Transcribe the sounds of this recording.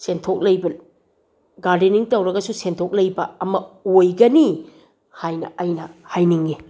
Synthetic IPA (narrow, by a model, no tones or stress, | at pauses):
sentʰok̚lɐjbɐn | ɡaɾdeniŋtɐwɾɐɡɐsusentʰok̚lɐjbɐːmɐojɡɐni | hajnɐ̰ɐjnɐhajniŋɡi